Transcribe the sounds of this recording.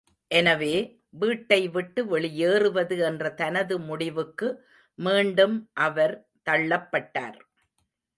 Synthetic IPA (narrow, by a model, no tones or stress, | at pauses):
ʔɛnɐʋeː | ʋiːʈːɐɪʋɪʈːɯʋɛɭɪjeːrɯʋɐðɯɛndrɐt̪ɐnɐðɯmʊɽɪʋɯkːɯ | miːɳɖɯmʔɐʋɐɾ | t̪ɐɭːɐpːɐʈːa̰ːɾ